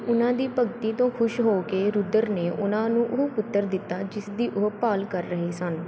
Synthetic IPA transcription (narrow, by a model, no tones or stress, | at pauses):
ʊnãːd̪iːpəɡt̪iːt̪õːkʰʊʃɦoːkeːɾʊd̪əɾneːʔʊnãːnũːʔʊɦpʊt̪ːəɾd̪ɪt̪ːaːd͡ʒɪsd̪iːʔʊɦpaːlkəɾːəɦeːsən